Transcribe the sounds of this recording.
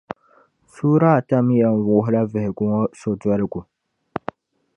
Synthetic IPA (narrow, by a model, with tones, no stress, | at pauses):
suː˦ɾa˦˨ta˦m˦jɛ˨n̩˦vʊ˨ʊ˦ɦʊ˦la˦vɨ˨hɪ˨ɡʊ˦ŋɔ˦sɔ˨da˦ɾɪ˦ɡʊ˨